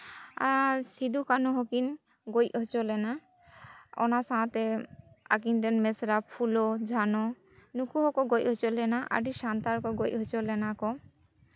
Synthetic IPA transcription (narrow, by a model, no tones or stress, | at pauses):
a̰sid̪ukanɔɦɔkin | ɡojɦɔt͡ʃɔlɛna | ɔ̰nasãt̪ɛa̰kind̪ɛnmesɾapʰulɔd͡ʒʱanɔ | nukuɦɔkɔɡojʔɦɔt͡ʃɔlɛnaʔa̰ɖiʃant̪aɾkɔɡojʔɦɔt͡ʃɔlɛnakɔ